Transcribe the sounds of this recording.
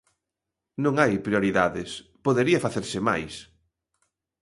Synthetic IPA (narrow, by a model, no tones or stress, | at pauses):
nõŋajpɾijoɾiðaðɪspoðeɾiɐfaθeɾsɪma̰js